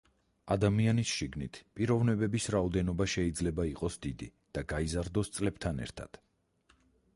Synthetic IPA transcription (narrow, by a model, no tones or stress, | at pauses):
ad̪amianisʃiɡnit̪ʰpʼiɾɔvnɛbɛbisɾaɔd̪ɛnɔbaʃɛid̪zlɛbaiqʼɔsd̪id̪i | d̪̥aɡaizaɾd̪ɔst̪sʼlɛbt̪ʰanɛ̰ɾt̪ʰa̰d̪̥